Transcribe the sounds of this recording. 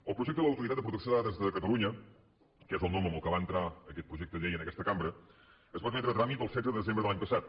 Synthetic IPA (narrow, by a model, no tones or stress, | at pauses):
əlˠpɾuʒɛk̚t̪əðələwt̪uɾit̪at̪əpɾut̪əksoðaðəzðəkət̪əluɲə | kɛzəlˠnɔməməlˠkəβaənt̪ɾaəkɛt̪̚pɾuʒɛk̚t̪əʎejənəkɛst̪əkambɾə | əzβat̪mɛt̪ɾət̪ɾamit̪̚əlˠsɛd͡zzəðəðəzembɾəðəlaɲpəsat̪̚